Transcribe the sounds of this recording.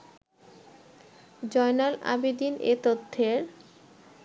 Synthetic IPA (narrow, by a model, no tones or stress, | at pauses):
d͡ʑɔjnala̰bid̪inḛt̪ot̪ʰːeɾ